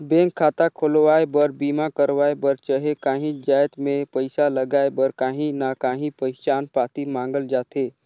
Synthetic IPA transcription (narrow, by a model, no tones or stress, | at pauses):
bẽːŋkʰːaːt̪akʰolʋaːebəɾbiːmakəɾʋaːebəɾt͡ʃəɦekaːɦĩd͡ʒaːjt̪mẽpəɪsaləɡaːebəɾkãːɦĩnakaːɦĩpəɪt͡ʃaːnpaːt̪imãːŋɡəld͡ʒaːt̪eː